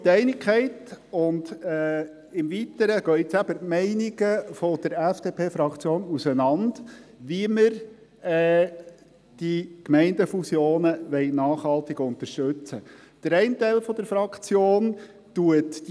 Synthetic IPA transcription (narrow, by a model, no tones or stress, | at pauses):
tɛɪnɪkχɛɪtʊnd | ɪmvit̪əɾəɡ̥œʏt͡sæb̥əɾmɛɪniɡəfɔd̥əɾæfd̥eːpʰeːfɾɑkt͡sjoːnusənɑnd̥ʋiəməɾ | ɛ | d̥ikmɛɪndəfusjoːnəʋɛɪnɑːχhɑlt̪ɪɡʊnt̪əɾʃtʉt͡sə | d̥əɾɛɪntæɪlfɔd̥̪əɾfɾɑkt͡sjoːn | tuət